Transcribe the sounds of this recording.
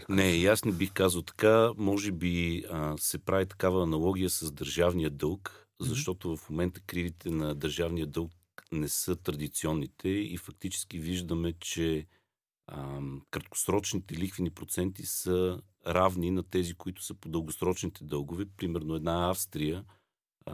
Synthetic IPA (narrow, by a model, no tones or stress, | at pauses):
nɛjasnɛbixkazəlˠt̪ɐ̥kamɔʒɛbisɛpɾavit̪ɐ̥kavəːnɐlˠɔɡʲijəsɐzd̪əɾʒavnijəd̪ɤlˠk | zɐʃt̪ɔt̪ovɐfmomɛnt̪ə̥kɾivit̪ʰɛnɐd̪əɾʒavnijəd̪ɤlˠk | nɛsɤt̪ɾɐd̪it̪siɔnːit̪ʰɛḭfɐk̚t̪it͡ʃɛ̥skiviʒd̪əmɛt͡ʃɛ | kɾɐt̪̚kʊ̥sɾɔt͡ʃnit̪ɛlixvinipɾot̪sɛnt̪isə | ɾavninɐt̪ɛzikoit̪ʊ̥səpod̪əlˠɡosɾɔt͡ʃnit̪ʰɛd̪ɤlˠɡʊvɛpɾimɛɾnoɛd̪naafst̪ɾijə